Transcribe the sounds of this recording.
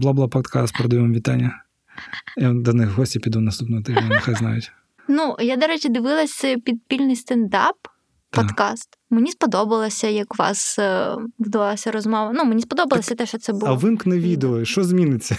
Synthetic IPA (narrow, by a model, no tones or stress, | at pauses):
blˠabʊlˠapɔt̪kast̪pɾɐd̪ɐjimɐmʋʲit̪anʲːɐ | jd̪ɐnɪxɦɔsʲtʲipʲid̪unɐst̪upnɔɦɔt̪ɛʒnnɐxaznɑ̰jʊtʲ | nujad̪ɔɾɛt͡ʃid̪ɪʋɪlˠɐsʲpʲid̪̚pʲilʲnɪjst̪ɐnd̪ɑp̪ː | ɔd̪kɑst̪ | menʲispɔd̪ɔbɐlˠɐsʲɐjɐkʊʋɑ̰s | ʋɪd̪ɐʋɑlˠɐsʲɐɾɔzmɔʋɐnumenʲispɔd̪ɔbɐlˠɐsʲɐt̪ɛʃt͡ʃɔt̪sɛbɐʋɪmknɛʋʲid̪eɔʃt͡ʃɔzʲmʲinɪt͡sʲːɐ